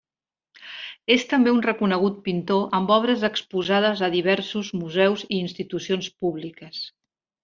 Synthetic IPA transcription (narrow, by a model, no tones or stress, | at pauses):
est̪əmbeunrəkunəɣ̞ut̪̚pint̪oʔəmbɔβ̞ɾəzəkspuzað̞əzəðiβ̞ɛɾsuzmuzɛwziːnst̪it̪usionspuβlikəs